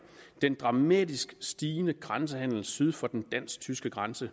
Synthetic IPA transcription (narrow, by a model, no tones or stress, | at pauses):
d̥end̥ʁɑ̈mɛ̰ːd̥isɡ̥sd̥iːnəɡ̥ʁɑns̬əhæn̰l̩syð̞ˠfɒ̽d̥end̥æn̰sɡ̥̚t͡sʰysɡ̥əɡ̥ʁansə